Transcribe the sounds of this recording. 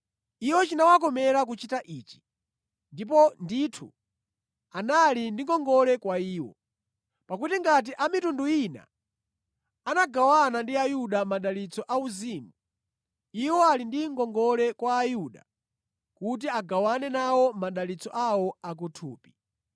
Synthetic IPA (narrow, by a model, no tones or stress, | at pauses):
iwɔt͡ʃinawakɔmɛɾak̬ut͡ʃitaʔiːt͡ʃi̥ | ndipɔnditʰṵ | analindiŋɡɔŋɡɔlɛkwaiːwɔ̰ | pakutiŋɡat̬iʔamitunduina̰ | anaɡawanandiajuɗamaɗalit͡sɔʔauzimu | iwɔalindiŋɡɔŋɡɔlɛkwaːjuɗa̰ | kut̬iaɡawanɛnawɔmaɗalit͡sɔʔawɔak̬utʰṵːpi̥